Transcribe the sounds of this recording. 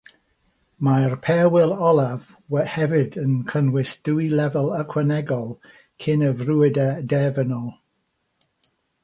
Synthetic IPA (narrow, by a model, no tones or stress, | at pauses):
marpʰɛwɪlˠɔlˠav | wɛhɛvɪdənkʰənwɪsd̥uilɛvəlˠəkʰwənɛɡɔlˠ | kʰɪnəvruɪdadɛvənɔ